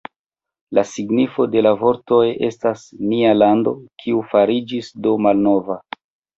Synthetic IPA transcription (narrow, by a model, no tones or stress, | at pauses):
lasiɡnifo̞de̞lavo̞ɾto̞je̞stasnialando̞kʰiufaɾid͡ʒisdomalno̞va